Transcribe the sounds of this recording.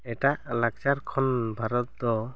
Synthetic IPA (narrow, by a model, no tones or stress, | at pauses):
ɛʈaʔlakt͡ʃaɾkʰɔnbʱaɾɔt̪̚d̪ɔ